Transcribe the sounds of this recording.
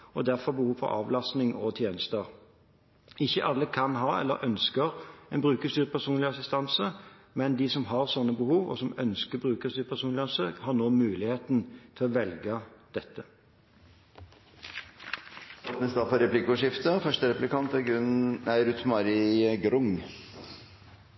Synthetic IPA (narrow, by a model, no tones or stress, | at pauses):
ɔd̪æʁfɔʁbəhuːʋfɔ̰ɾɑ̰ːʋlɑst̪nɪŋɔt̪ʰjeːnəst̪əɾ | ɪçːəʔɑlːəkʰɑnɦɑːɛ̰lːəɾʔœnskəɾɛnbʁʉːkəst̪yːʁpʰæʁsuːnlɪɑsɪst̪ɑnsəmɛnd̪ɪsɔmɦɑʁsɔnːəbəhuːʋɔ̰sɔmœnskəbɾʉːkəst̪yːɾpʰæsuːnlɪɑnsəhɑʁnoːmʉːlɪheːt̪nt̪ʰɪlɔʋɛlɡəd̪̥ɛt̪ːə | ɔt̪nəsd̪ɑfɔɾɛplɪkʊʂɪft̪əfœʂʈəɾɛplɪkʰɑnt̪ɛɡɾʉnæɪɾʉt̪ʰmɑɾɪɡɾʊŋ